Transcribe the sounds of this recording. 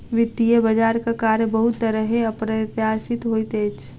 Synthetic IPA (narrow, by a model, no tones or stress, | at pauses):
ʋɪt̪ːijebɐd͡ʒaːɾkakaːɾjəbəɦʊt̪ːəɾəɦeɐpɾət̪jaːsɪt̪ɦoːit̪eːt͡ʃ